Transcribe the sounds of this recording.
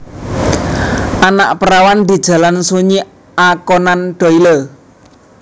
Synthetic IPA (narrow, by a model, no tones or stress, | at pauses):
ʔanaʔpəɾawand̪i̤d̥ʒ̥ä̤lansuɲi | akɔnanɖ̪̥ɔ̤ilə